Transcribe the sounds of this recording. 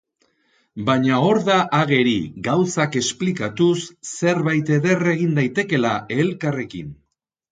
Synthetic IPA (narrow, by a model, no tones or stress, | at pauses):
baɲao̞ɾðaʔaɣe̞ɾḭɣawsake̞splikat̪usːe̞ɾβajt̪e̞ðe̞re̞ɣ̞ind̪ajt̪e̞ke̞lae̞lkare̞kḭn